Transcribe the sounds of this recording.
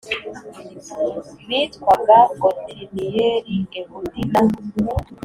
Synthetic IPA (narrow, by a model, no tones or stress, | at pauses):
βitkwaɡaɡoteɾinijeɾiŋɡeβudinamuu